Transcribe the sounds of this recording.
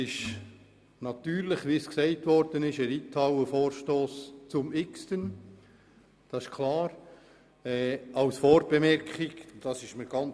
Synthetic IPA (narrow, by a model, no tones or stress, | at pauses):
ɪʃ | nɑt̪yːɾlɪχʋisksɛɪtʋɔɾd̥ənɪʃəɾitʰɑwəfoːɾʃtoːst͡sʊmɪkstən | d̥ɑsɪʃkʰlɑːɾ | ɛːɑwsfɔːɾbɛmɛɾkχiɡd̥ɑsɪʃməɾɡ̥ɑn